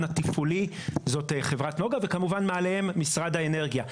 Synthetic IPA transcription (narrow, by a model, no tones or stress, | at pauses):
nat̪ifulizo̞t̪eχe̞vʁatno̞ɡave̞kamuvanmaːlehemːisʁadaene̞ʁɡija